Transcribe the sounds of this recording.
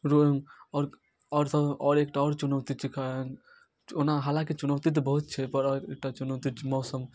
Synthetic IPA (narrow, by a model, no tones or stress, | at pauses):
ɾoɦmɔːɾ | ɔːɾsəbɔːɾekʈaɔːɾt͡ʃunəʊt̪it͡ʃʰikaən | onaɦalãket͡ʃunəwt̪it̪̬ɔbəɦut̪̚t͡ʃʰɛpəɾɔɾek̚ʈat͡ʃunəʊt̪it͡ʃʰimɔːsəm